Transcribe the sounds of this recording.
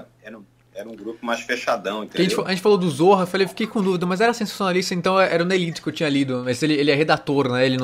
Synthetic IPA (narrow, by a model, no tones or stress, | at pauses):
ɛɾɐ̃ | ɛɾɐũɡɾupʊmajʃfeʃad̪ɐ̃w̃ĩt̪ẽɐʒẽɪfɐẽt͡ʃɪfalod̪ʊzoɦɐfalejwfi̥kejkõd̪uvid̪ɐmɐjzɛɾɐsẽsḁsjonalist̪ɐẽnt̪ɐ̃w̃ɛʔɛɾɐũelit̪ʊ̥kɪewt͡ʃĩɲɐlid̪ʊmɐzelɪelɪɛɦed̪at̪oɾnɛelɪnɐ̃